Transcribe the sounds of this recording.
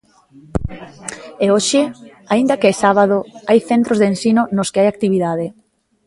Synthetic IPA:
eoʃɪ | aind̪ɐkeːsaβaðoajθent̪ɾozðensinonoskeajak̚t̪iβiðað̞e

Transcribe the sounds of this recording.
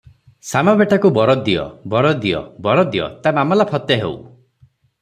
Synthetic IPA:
samabeʈakubɔɾɔd̪iɔ̰bɔɾɔd̪ijɔ̰bɔɾɔd̪iɔ̰t̪amamɔlapʰɔt̪eɦḛw

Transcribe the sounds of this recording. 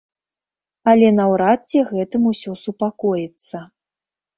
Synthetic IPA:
ɐlʲɛnɐwɾat͡sʲːɛɣɛt̪ɨmusʲɔsupakɔjɛt̪sːɐ

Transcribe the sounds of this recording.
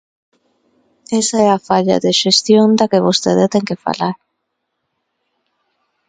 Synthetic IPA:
esaɛafaʎa̰ðeʃest̪jond̪akeβost̪eðet̪ɛŋkefa̰laɾ

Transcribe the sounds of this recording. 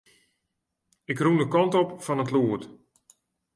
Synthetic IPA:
ɪkrundəkɔntɔpfɔnətluːət

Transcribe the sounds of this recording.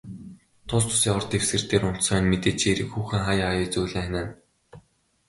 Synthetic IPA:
t̪ʰʊːst̪ʰʊ̥siɔrt̪ewsɡɘ̆r̥t̪eːɾʊn̥t̪sœːnmet̪eːt͡ɕeːɾɘ̆kxuːxɘ̆ŋχajaajʊːt͡suːɮæŋnæːn

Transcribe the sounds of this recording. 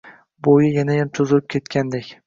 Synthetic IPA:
bojɪjanajamt͡ʃ̪ʰozɪlɪp̚kʲʰe̞t̪kʲand̪ekʲ

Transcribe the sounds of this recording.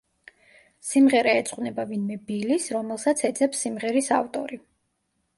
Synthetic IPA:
simʁɛɾaɛt̪sʼqʼwnɛbavinmɛbilisɾɔmɛlˠsat̪sʰɛd̪zʼɛpsimʁɛɾisa̰ft̪ʼɔɾi

